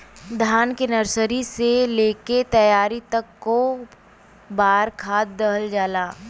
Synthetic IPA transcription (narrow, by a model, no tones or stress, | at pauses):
d̪ʱjaːnkenəɾsəɾiseleːket̪ɐjaːɾit̪ɐkːo | baːɾkʰaːt̪̚d̪əɦəld͡ʒaːlaː